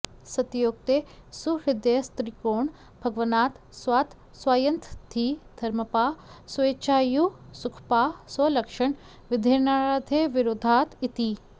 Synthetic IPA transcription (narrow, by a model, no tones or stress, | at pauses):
sɐt̪joːk̚t̪esuɾɪd̪jest̪ɾikoːɳ | bʱɐɡʋɐnaːt̪ | swaːt̪ | swaːjɐnt̪ʰt̪ʰiːd̪̥ʱɐɾməpaːsʋeːt͡ʃaːjusukʰpaːsɐlɐkʃɐɳ | ʋɪd̪ʱeːnaɾaːd̪ʰʱeːʋɪɾoːd̪ʱaːt̪it̪iː